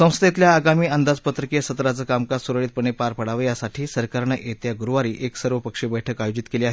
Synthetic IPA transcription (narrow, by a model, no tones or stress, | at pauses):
sə̃w̃st̪ʰet̪ljaːɡamiːənd̪ad͡zpət̪ɾəkijsət̪ɾat͡səkamkasuɾəɭiːt̪̚pəɳepaɾpəɽaʋjasaʈʰiːsəɾkaɾɳəʔet̪jaɡuɾʋaɾiːʔeksəɾʋəpəkʂebəjʈʰəkajod͡ʑit̪keliaɦe